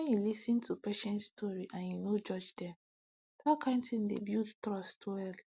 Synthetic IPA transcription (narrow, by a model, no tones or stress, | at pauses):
wɛ̃njulisĩntʰupeʃɛ̃ntstʰɔɹiʔãnjunod͡ʒɔd͡ʒdɛ̃m | takʰãntĩndḛbjudtɹɔstwɛl